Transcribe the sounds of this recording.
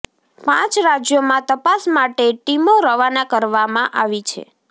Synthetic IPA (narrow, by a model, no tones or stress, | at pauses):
pã̰t͡ʃɾad͡ʒjomãt̪əpasmaʈeʈimoɾəʋanakəɾʋamãʔaʋit͡ʃʰḛ